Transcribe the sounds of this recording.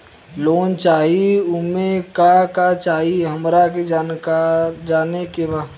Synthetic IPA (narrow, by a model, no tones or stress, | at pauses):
loːnt͡ʃaːɦiʊmẽkakat͡ʃaːɦiɦəmɾak̬ed͡ʒaːnkaɾd͡ʒaːnekeba